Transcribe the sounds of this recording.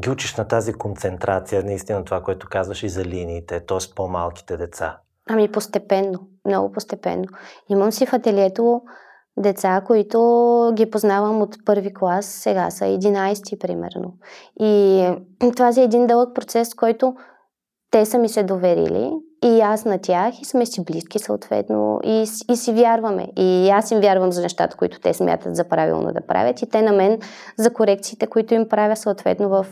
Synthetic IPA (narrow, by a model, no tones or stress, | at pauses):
ɡʲiut͡ʃiʃnɐt̪azikont̪sɛnt̪ɾat̪sijənɐist̪inɐt̪ovakoɛt̪ʊ̥kazvəʃizɐliniːt̪ɛt̪ɔɛspoma̰lˠk̟i̥t̪ɛd̪ɛt̪sa̰ | amipost̪ɛpɛnːomnɔ̰ɡʊpost̪ɛpɛ̰nːoiməmsifɐt̪ɛliɛt̪o | d̪ɛt̪sakoit̪oɡʲipoznavəmot̪pɤɾviklˠasːɛɡa̰sə̰ɛd̪inajst̪ipɾimɛ̰ɾno̰i | t̪ovazʲiɛːd̪ind̪ɤlˠək̚pɾot̪sɛsfkɔjt̪ʊ | t̪ɛsəmisɛd̪ovɛɾḭlḭːasnɐt̪ʲjaxismɛsibliskisəot̪vɛ̰t̪no̰isːsivʲjaɾvɐmɛ̰iasimvʲjaɾvəmzɐnɛʃt̪a̰t̪ə̥koḭt̪ʊ̥t̪ɛsmʲʔa̰t̪ət̪zɐpɾavḭlˠno̰d̪ɐ̰pɾa̰vʲət̪it̪ɛnɐmɛnzɐkoɾɛk̚t̪siːt̪ɛkoit̪ʊimpɾavʲəsoot̪vɛ̰t̪novɐf